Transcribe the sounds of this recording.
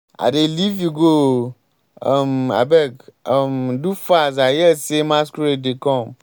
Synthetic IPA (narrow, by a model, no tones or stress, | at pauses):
a̰ɖeliviɡo | ma̰bɛɡmdufazajɛsemãskuɾedekɔm